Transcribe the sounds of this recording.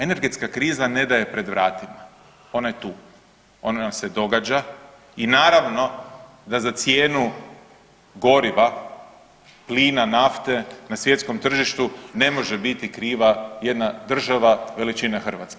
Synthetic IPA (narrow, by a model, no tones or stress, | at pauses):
e̞ne̞ɾɡe̞t̪skakɾiːzane̞d̪aje̞pɾe̞d̪ʋɾaːt̪ima | o̞naje̞t̪uː | o̞nase̞d̪o̞ɡad͡ʒa | inaːɾaʋno̞ | d̪azat̪sje̞ːnu | ɡo̞ɾiʋa | pliːnanaft̪e̞nasʋje̞t̪sko̞mt̪r̩ʒiʃt̪une̞mo̞ʒe̞bit̪ikɾiːʋaje̞d̪nad̪r̩ʒaʋaʋe̞lit͡ʃinexr̩ʋa̰t̪ske